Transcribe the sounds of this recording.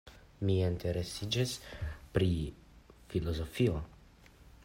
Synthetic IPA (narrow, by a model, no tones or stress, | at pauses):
mientʰe̞ɾesid͡ʒespɾi | filo̞zo̞fio̞